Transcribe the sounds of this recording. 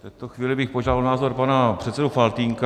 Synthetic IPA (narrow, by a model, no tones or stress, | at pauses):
tt̪ɛt̪oxviːlɪbɪxpoʒaːdalnaːzo̞ɾpanapr̝̥ɛt̪sɛdufalt̪iːŋka